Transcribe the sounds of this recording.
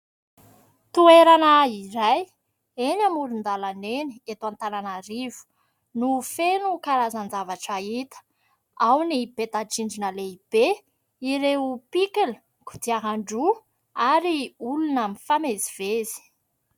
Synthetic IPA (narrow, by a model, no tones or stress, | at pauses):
t̪ueɾanaiɾaj | enamulund̪alaneniet̪uant̪ananaɾivu̥ | nufenukaɾazand͡zavaʈ͡ʂait̪ə̥ | awnib̥et̪aʈ͡ʂiɳɖ͡ʐinəleib̥e | iɾeupikilə̥ | ku̥d̪iaɦaɳɖ͡ʐu | aɾiulunamifamezivezi̥